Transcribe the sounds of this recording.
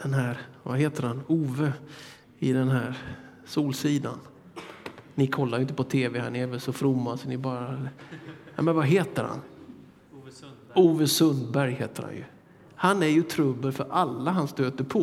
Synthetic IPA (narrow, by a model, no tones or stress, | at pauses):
d̪ɛnɦæːɾvaɦeːt̪əɾhanuːvə | ɪd̪ɛnɦæːɾ | suːlsiːd̪a̰n | nɪkʰɔlːajɪnt̪əpʰɔt̪ʰeːvɛha̰nɪɛvɛlsɔfɾʊmːasɔnɪbɑːɾa | nɛ̰mɛnvaɦeːt̪əɾha̰n | uːvəsɵnd̪bæɾjheːt̪əɾha̰njɵ̰ | hanæɾjɵt̪ʰɾɵbːəɾfœɾʔalːaɦanst̪øːt̪əɾpʰɔ